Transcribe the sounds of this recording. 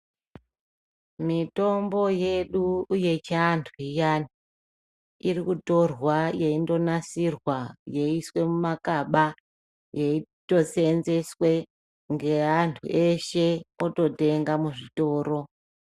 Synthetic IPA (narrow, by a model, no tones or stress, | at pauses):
mito̞mbo̞je̞ɗuːje̞t͡ʃantʰuijani | irikuto̞rwaje̞indo̞nasirwaje̞iswe̞mumakaɓa | jeito̞se̞nze̞swe̞ | ŋɡe̞antʰṵʔe̞ʃe̞oto̞te̞ŋɡamuʐito̞ːɾo̞